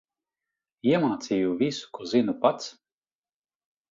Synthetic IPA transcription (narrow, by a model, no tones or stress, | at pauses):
jɛmaːt̪sʲijuviskɔzinupat̪s